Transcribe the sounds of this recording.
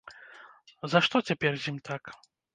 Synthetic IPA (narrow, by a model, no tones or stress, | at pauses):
zɐʂt̪ɔt͡sʲapʲɛrzʲimʲt̪ʰak